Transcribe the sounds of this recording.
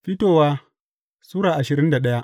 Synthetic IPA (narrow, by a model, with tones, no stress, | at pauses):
ɸɪ˦toː˦˨waː˦ | suː˦ɽaː˨ʔa˨ʃɪ˨ɾɪ˦nda˨ɗɐ˦ja˦ʔ